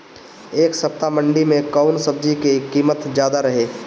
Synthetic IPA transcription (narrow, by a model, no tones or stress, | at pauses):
eːksɐp̚t̪amə̃ɳɖimẽkaʊnsəb̚d͡ʒikekiːmət̪d͡ʒjaːd̪aɾɐɦeː